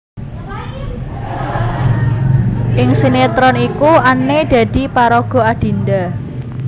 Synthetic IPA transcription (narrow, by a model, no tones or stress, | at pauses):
ʔɪŋsinet̪ɾɔnikuanːed̥a̤d̪̥i̤paɾɔɡ̥ɔ̤ad̥i̤nd̪a